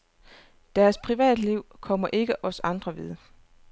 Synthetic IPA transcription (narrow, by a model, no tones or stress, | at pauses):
d̥æɐspʰʁiʋɛ̰ːd̥liʊ̰kʰɒ̽m̰ɐʔe̝ɡ̥əʔɒ̽sɑ̈nd̥ʁɐʋið̞ˠ